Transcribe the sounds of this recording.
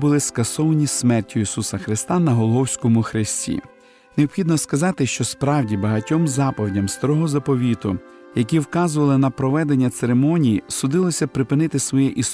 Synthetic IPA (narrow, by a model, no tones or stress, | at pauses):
bʊlˠɪskɐsɔʋɐnʲismɛrtʲːʊisusɐxɾɪst̪ɑnɐɦɔlˠɦɔwsʲkɔmʊxɾɪsʲtʲḭ | neɔpxʲid̪nɔskɐzɑt̪ɪʃt͡ʃɔspɾɑwdʲibɐɦɐtʲɔmzɑpɔʋdʲɐmst̪ɐɾɔɦɔzɐpɔʋʲit̪ʊ̰ | jɐk̬ʲiwkɑzʊʋɐlˠɪnɐpɾɔʋɛd̪enʲːɐt̪seɾemɔnʲijisʊd̪ɪlˠɔsʲɐpɾɪpɪnɪt̪ɪsʋɔjɛʔis